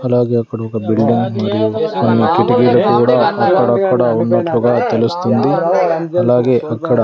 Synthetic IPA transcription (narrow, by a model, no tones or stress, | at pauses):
ɐlaːɡeɐkːɐɽɐkɐbilɖiŋɡmaːɽijuonːɐkiʈɐɡijlukuːɽɐɐkːɐɽɐkːɐɽɐonmɐʈ̪ːʋɐɡɐt̪elust̪und̪iɐlaːɡeːʔɐkːɐɽɐ